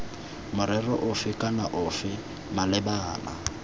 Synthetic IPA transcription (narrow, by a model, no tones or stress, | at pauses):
mʊɾɛrɔʔʊfɪkʼanaʔʊfɪ | malɪbaːla̰